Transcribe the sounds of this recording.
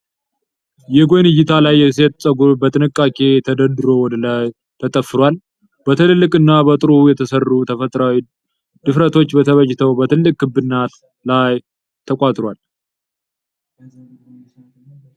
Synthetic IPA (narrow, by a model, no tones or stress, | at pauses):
jɛɡojnɨjːɪt̪ʰalajːɛhɨs̬et̪sʼəɡubət̪ʼɨnɨkʼːakʼe̞t̪ʰəd̪əd̪ɨɾo̞wɔd̪əlaj | t̪ʰət̪ʼəfɨɾwal | bət̪ʰɨllːɨkʼɨnːabət̪ʼɨɾujɛt̪ʰəsərːut̪ʰəfət̪ʼɾawi | d̪ɨfɾət̪ʰo̞t͡ʃːbət̪ʰəβəd͡ʒɪt̪ʰəwbət̪ʰɨlːɨkʼkɨbːɨnːat̪ | laj | t̪ʰəkʼat̪ʼɾwal